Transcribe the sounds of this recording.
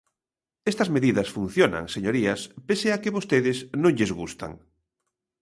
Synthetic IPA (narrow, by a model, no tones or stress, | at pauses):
est̪ɐzmeðiðɐsfun̟θjona̰ŋseɲoɾiɐspeseɐkɪβost̪eðɪsnõŋʎezɣust̪a̰ŋ